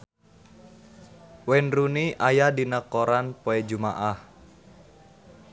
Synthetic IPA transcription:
wɛnruniʔajadinəkoɾanpoɛd͡ʒumaʔah

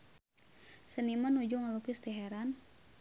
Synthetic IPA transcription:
sənimanud͡ʒuŋalukust̪iɦɛɾan

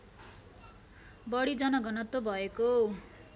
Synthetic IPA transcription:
bʌɽid͡zʌnʌɡʌnʌt̪ːobʱʌeko

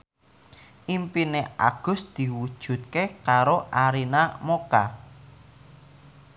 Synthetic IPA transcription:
ʔimpinea̰ɡ̥ʊ̤sd̪̥i̤wud̥ʒ̥ṳt̪̚kekaɾoʔaɾinamoka̰

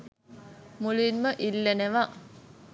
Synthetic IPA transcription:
muluinməʔilːeneʋa

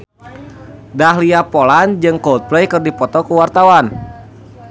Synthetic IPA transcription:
daɦliapoland͡ʒɨŋkɔlt̪̚plejkɨrdipɔt̪ɔkuwart̪awan

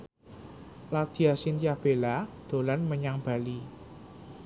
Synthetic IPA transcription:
lad̪̥i̤asint̪ijahb̥elad̪̥o̤lanməɲaŋb̥a̤li

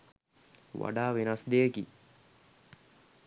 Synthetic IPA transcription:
ʋa̰ɖaːʋenasd̪ejəki

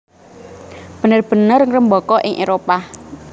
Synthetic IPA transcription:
b̥ə̤nərb̥ə̤nərŋrəmbɔkɔʔɪŋʔeɾopah

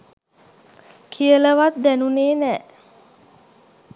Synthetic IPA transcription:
kʰijələʋat̪̚d̪ænuneːnæː

